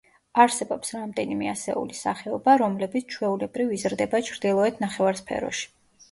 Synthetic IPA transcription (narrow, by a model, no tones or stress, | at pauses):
aɾsɛbɔpsɾamd̪ɛnimɛasɛ̰ṵlisaχɛɔbaɾɔmlɛbit̪sʰt͡ʃʰwɛulɛbɾivizɾd̪ɛbat͡ʃʰɾd̪ilˠɔɛt̪ʰnaχɛvaɾspʰɛ̰ɾɔ̰ʃi̥